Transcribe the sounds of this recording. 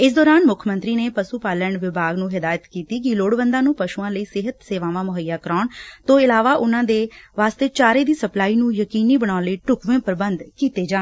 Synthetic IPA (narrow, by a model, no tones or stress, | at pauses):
ɪs̬d̪ɔːɾaːnmʊkʰmənt̪ɾiːneːpəsuːpaːləɳʋɪbʱaːɡnũːɦɪd̪aːjət̪kiːt̪iːkɪloːɽʋənd̪ãːnũːpəʃuːãːləiːsɪɦət̪seːʋãːʋãːmʊɦəjːaːkəɾaːɳt̪õːɪlaːʋaːʔʊnãːd̪eːʋaːst̪eːt͡ʃaːɾeːd̪iːsəplaːiːnũːjəkiːniːbəɽaːliːʈʊkʋẽːpəɾəbənd̪kiːt̪eːd͡ʒãː